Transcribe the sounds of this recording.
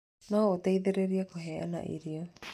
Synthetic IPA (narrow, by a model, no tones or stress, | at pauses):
naoot̪eiðeɾeɾiakoɦeʔa̰na̰ʔḭɾio